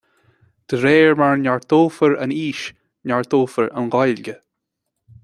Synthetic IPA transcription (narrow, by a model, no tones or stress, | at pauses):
d̪̥əɾeːɹmaɹnʲaɹt̪ʰoːfəɹəniːʃ | nʲaɹt̪ʰoːfəɹə̰nɡɑjlɡə